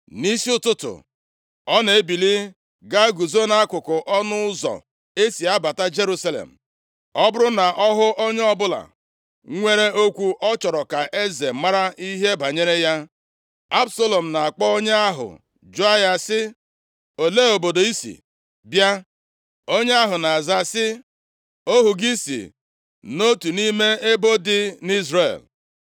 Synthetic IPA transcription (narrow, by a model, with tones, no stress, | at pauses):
ni˦si˦ʊ˦tʊ˦tʊ̰˨ | ɔ˦ne˨e˦bi˨li˦ | ɡa˦ɡu˨zo˦na˦a˦kʊ˨kʊ˨ʔɔ˦nʊ˦zɔ̰˨ | e˦si˨a˦ba˨ta˦d͡ʒe˦ɾu˦sa˦lḛ˨m̩̰˨ | ɔ˦bʊ˦ɾʊ˦na˨ʔɔ˦ɦʊ˦ʔo˦ɲe˦ɔ˦bʊ˦la̰˨ | ŋʷe˦ɾe˦o˦kʷu˦ʔɔ˦t͡ʃɔ˨ɾɔ˨ka˨ʔe˦ze˨m˦ma˦ɾa˦i˦ɦe˦ba˨ɲe˦ɾe˦ja˦ | a˦bso˦lo˨m̩˨na˨a˨k͡pɔ˦o˦ɲe˦a˦ɦʊ̰˨ | d͡ʒu˦a˦ja˦sɪ˦ | o˨le˦o˨bo˨do˨i˦sḭ˨ | bja˦ | o˦ɲe˦a˦ɦʊ˨na˨a˨za˦sɪ˦ | o˦ɦu˨ɡi˦sḭ˨ | no˦tu˨ni˦me˦e˦bo˦dɪ˦ni˦zre˨l